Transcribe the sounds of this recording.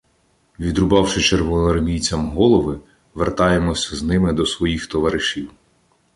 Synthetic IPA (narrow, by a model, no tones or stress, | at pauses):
ʋʲid̪ɾʊbɑwʃɪt͡ʃerʋɔnɔrmʲijt͡sʲɐmɦɔlˠɔʋɪ | ʋert̪ɑjemɔsʲɐznɪmɪd̪ɔsʋɔjixt̪ɔʋɐɾɪʃiw